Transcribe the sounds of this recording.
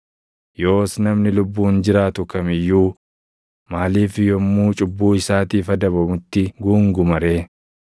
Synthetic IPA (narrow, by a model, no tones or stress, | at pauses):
jo̞ːsnɐmnɪlʊbːuːnd͡ʒɪɾaːt̪ʊkɐmɪjːuː | maːliːfɪjɔmːuːt͡ʃʼʊbːuːɪsaːt̪iːfɐd̪ɐβɐmʊt̪ːɪɡuːŋɡʊmɐɾe̞ː